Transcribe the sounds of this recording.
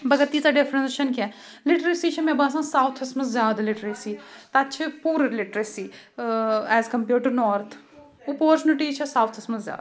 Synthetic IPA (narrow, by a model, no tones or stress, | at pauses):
bɐɡət̪ːiːt͡saɖepʰɾẽnsʃɐnkɛlɪʈɾesit͡ʃʰɐmẽbãːsãːsaːwt̪ʰɐsmɐszʲjaːd̪alɪʈɾesit̪ɐɐtːt͡ʃʰepuːɾlɪʈɾesi | ɛːzkɐmpjuːʈɐɾnɔːɾt̪ʰ | opoːɾt͡ʃunɪʈit͡ʃʰɐsaːwt̪ʰɐsmɐszʲja̰ːd̪